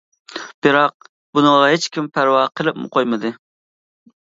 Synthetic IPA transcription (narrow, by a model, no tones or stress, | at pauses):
b̥ɨɾɑq̚ | bunɨŋʁɑɦet͡ʃkʲʰimpʰæɾwɑqʰəlˠɪpmʊ̰qʰojmɨd̪ɨ